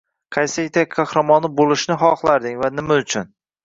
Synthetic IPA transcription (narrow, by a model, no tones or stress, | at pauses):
qʰɑjsɪt̪ʰak̚ʲkʰɑhɾamɒnɪbolˠɪʃnɪɦɒχlˠaɾd̪ɪŋvanɪmaʊt͡ʃʰʊn